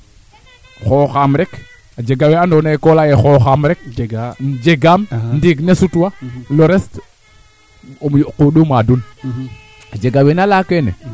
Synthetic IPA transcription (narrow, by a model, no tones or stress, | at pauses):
xoxamɾek | ad͡ʒeɡaweandonakolajexoxamɾek̚ | d͡ʒeɡamndiɡnesutwaloɾest | mkuɗumadul | ad͡ʒeɡawenalakenḛ